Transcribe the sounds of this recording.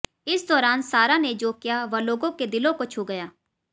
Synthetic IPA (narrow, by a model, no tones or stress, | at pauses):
ɪsd̪ɔːɾaːnsaːɾaned͡ʒoːkɪjaːʋɐloːɡõked̪ɪlõkot͡ʃʰʊɡəjaː